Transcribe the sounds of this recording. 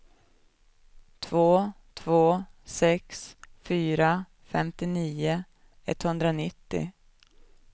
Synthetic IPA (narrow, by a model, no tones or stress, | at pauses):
t̪ʰvoː | t̪ʰvoːsɛksfyːɾa | fɛmt̪ɪniːʊ | ɛ̰t̪ːhɵnd̪ɾanɪt̪ːɪ̰